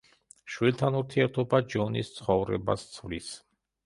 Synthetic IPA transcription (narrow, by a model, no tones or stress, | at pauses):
ʃwilˠt̪ʰanuɾt̪ʰiɛɾt̪ʰɔbad͡ʒɔnist̪sʰχɔvɾɛ̰ba̰st̪sʰvlis